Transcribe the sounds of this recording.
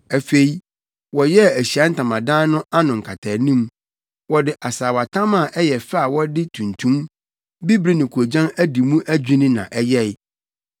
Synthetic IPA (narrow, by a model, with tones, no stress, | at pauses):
æ˨fe˨i˦ | wɔ˨jɛ˦˨æ˨ɕi˨a˦n̩˦tʰã˨mã˨dãː˦nʊ̃˦ʔa˦nʊ̃˨ŋ̩˨kʰa˨tʰa˨nĩ˦m | wɔ˦dɪ˨ʔa˨saː˨wa˨tʰã˦mã˨ʔɛ˦jɛ˨fa˦a˨wɔ˦dɪ˦tʰũ˨ntʰũ˦m | bi˦bɾi˦nʊ̃˨kʰu˨o˨d͡ʑã˦næ˦di˨mũ˦ʔæ˦d͡ʑᶣĩ˦nĩ˦nã̰˨ʔɛ˦jɛ˦˨ɪ˦